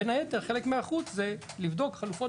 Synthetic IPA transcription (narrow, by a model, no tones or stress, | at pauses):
enajet̪eʁχelekmeaχut͡szelivd̪o̞kχalufo